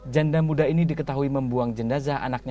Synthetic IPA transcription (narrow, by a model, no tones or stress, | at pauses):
d͡ʒandamudainidikət̪aɦuiməmbuaŋd͡ʒənazaʔa̰nak̚ɲ